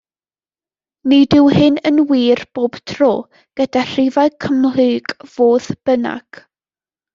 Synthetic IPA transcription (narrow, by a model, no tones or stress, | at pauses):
midɪwhɪnənwiːrb̥oːb̥tʰroː | ɡ̥ədar̥ɪvaɨkʰəmlɨːɡ̥v̥oːðb̥əna̰ɡ̥